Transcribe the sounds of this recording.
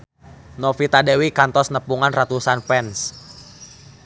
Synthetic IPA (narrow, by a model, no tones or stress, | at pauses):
nɔfit̪adewikant̪ɔsnəpuŋanrat̪usanfɛns